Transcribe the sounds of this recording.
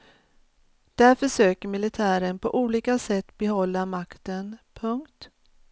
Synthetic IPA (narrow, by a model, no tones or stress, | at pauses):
d̪̥æɾfœʂøːkəɾmɪlɪt̪ʰæːɾənpʰɔʔuːliːkasɛt̪ːbɛɦɔlːamakt̪ənpʰɵŋkt̪